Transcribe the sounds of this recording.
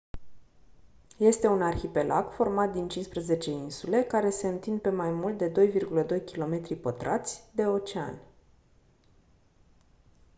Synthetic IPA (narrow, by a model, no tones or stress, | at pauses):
je̞st̪e̞unarçipe̞lʔaɡ̥fo̞rmat̪̚d̪int͡ʃinspɾəze̞t͡ʃe̞insule̞kaɾe̞se̞ɨnt̪ind̪̚pe̞majmult̪̚d̪e̞d̪o̞jvirɡuləd̪o̞jkʲilo̞me̞t̪ɾipət̪ɾa̰t̪sʲd̪e̞o̞t͡ʃea̰nʲ